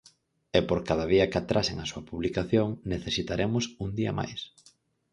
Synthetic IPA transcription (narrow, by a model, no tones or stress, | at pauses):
ɛpoɾkaðɐðiɐkat̪ɾʔaseŋasuɐpuβlikaθjoŋneθesit̪aɾʔemʊsuŋd̪iɐ̰ma̰js